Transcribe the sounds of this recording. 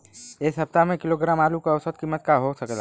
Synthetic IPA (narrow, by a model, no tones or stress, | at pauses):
ɪsɦɐp̚t̪amẽkɪloɡɾaːmaːlukaɐʊsət̪̚kiːmːət̪̚kaɦosəkla̰